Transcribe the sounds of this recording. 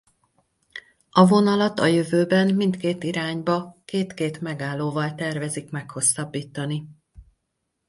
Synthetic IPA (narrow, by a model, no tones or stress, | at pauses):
ɒvo̞nɒlɒt̪ɒjøvøːbɛnmint̪keːt̪iɾaːɲbɒkeːt̪keːt̪mɛɡaːlːoːvɒlt̪ɛrvɛzikmɛkho̞sːɒbːiːt̪ɒni